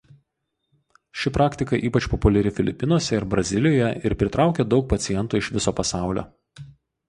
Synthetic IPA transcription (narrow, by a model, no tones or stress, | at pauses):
ʃʲɪpɾɑːkt̪ʲɪkɐʔiːpɐt͡ʃpɔpʊlʲɛɾʲɪfʲɪlʲɪpʲːɪnuɔsʲɛɪɾbɾɐzʲɪlʲɪjoːjɛɪɾpʲɾʲɪt̪ɾɑˑʊkʲeːd̪ɒʊk̚pɐt̪sʲɪjɛnt̪uːɪʃʋʲɪsoːpɐsɑˑʊlʲo̰ː